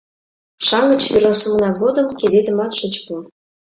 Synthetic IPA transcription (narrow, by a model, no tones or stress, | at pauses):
ʃɑŋə̆t͡ɕβerəsə̆mnɑɣod̪əmked̪ed̪ə̆mɑt̪ʃə̆t͡ɕpu